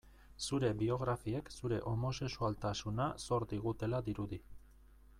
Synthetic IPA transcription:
suɾe̞bio̞ɣɾafie̞ksuɾe̞ʔo̞mo̞se̞ksualt̪asunaso̞ɾd̪iɣ̞ut̪e̞laðiɾuði

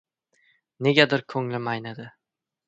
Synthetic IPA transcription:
ne̞ɡʲad̪ɪɾkʲʰɵŋlɪmajnad̪ɪ

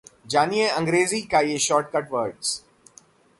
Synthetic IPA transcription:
d͡ʒaːnieɐ̃ŋɡɾeːzikajeʃɔːɾʈ̚kɐʈʋəɾɖs

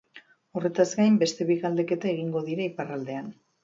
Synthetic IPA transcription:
o̞re̞t̪azɡajmbe̞st̪e̞βiɣald̪e̞ke̞t̪ae̞ɣ̞iŋɡo̞ðiɾaiparald̪e̞an

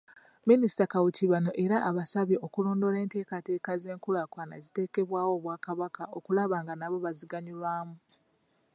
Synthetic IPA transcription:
minisi̥takawuciβano̞ʔe̞ɾaʔːβasaβjeokulo̞ːndo̞le̞ːnte̞ːkate̞ːkaze̞ːŋkulakwaːnaezite̞ːke̞βwaːwo̞ːβwaːkaβakao̞kulaβaːŋɡanaβo̞βaziɡaɲilwaːmu

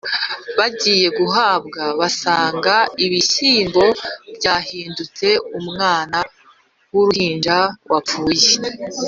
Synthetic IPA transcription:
βaɟiːje̞ɡuɦaːbɡaβasaːŋɡaiβisiːmbo̞bɟaːhiːndut͡se̞umŋaːna | wuɾuhiːnd͡ʒawʔauːje

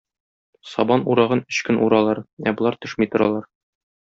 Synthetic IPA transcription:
sɒbɑnuɾɑʁɤnɵ̆ɕkɘnʔṵɾɑlˠɑɾæbŏlˠɑɾt̪ɵ̆ʃmit̪ŏɾɑlˠɑɾ

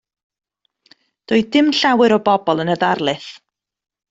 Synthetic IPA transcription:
d̥ɔɨdɪmɬawɨɾɔbɔbɔlˠənəðarlˠɨθ

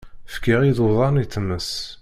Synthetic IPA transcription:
fkiʁiðʊðˤɑnit̪ːəmːəs

